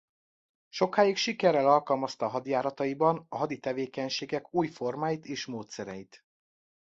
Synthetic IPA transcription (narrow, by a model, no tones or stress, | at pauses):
ʃo̞kaːjikʃikɛrɛlɒlkɒlmɒst̪ɒːɦɒd̪jaːɾɒt̪ɒibɒnɒɦɒd̪it̪ɛveːkɛɲʃeːɡɛkuːjfo̞rmaːjit̪eːʃmoːt̪sɛɾɛ̰jit̪